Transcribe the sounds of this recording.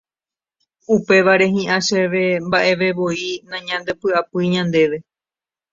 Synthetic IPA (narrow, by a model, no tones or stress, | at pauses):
upe̞ʋaɾe̞ɦĩʔãʃeʋe̞mbaʔe̞ʋe̞ʋo̞inãɲãnd̪e̞pɨapɨjɲãnd̪e̞ʋe̞